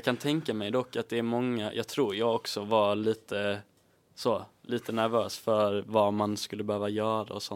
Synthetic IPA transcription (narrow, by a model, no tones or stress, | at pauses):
kʰant̪ʰɛŋkamɛjd̪ɔkːat̪̚d̪ɛæɾmɔŋːajʔɑːɡ̚t̪ʰɾuːɾjɑːɡɔksɔvaliːt̪ə | soːlʔiːt̪ʰənæɾvøːsfœɾvamanskɵlːəbɛhøːvajœːɾa̰ɔsɔ